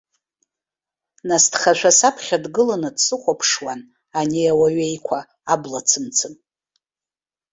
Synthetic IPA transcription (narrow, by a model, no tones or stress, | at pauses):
nastχaʃʷʰasapʰχʲadɡɨlanɨdsɨχʷapʰʂwan | aniawaɥejkʷʰa | ablat͡sʰɨmt͡sʰɨn